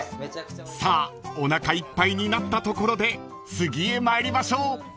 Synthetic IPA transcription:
saːo̞nakaipːaiɲ̟inat̪ːat̪o̞ko̞ɾo̞d̪e̞ | sɨɡʲiemaeɾʲimaɕo̞ː

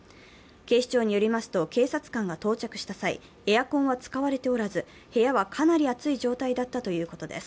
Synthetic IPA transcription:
ke̞ːɕi̥t͡ɕo̞ːɲ̟ijo̞ɾʲimasɨ̥t̪o̞ke̞ːsat͡sɨ̥kãŋɡat̪o̞ːt͡ɕakɯ̟ɕi̥t̪asaḭ | e̞jakõɰ̃βat͡sɨ̥kaβaɾe̞t̪e̞o̞ɾazɨ | he̞jaβakʰanaɾʲiat͡sɨiʑo̞ːt̪aid̪at̪ːat̪o̞jɯ̟ːko̞t̪o̞d̪e̞s

